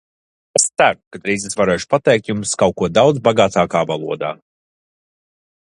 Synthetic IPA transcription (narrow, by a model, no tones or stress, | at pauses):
est̪sæɾukad̪ɾiːzesvaɾɛːʃu̥pat̪ɛːjk̚t̪jumskawkuɔd̪awd̪zbaɡaːt̪aːkaːvalˠuɔd̪a̰ː